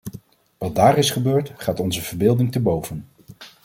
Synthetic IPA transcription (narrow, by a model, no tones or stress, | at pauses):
ʋɑd̚daːɾɪsχəbøːɹtχaːtɔnzəvəɹbɪːlˠdɪŋtəbowv̥ən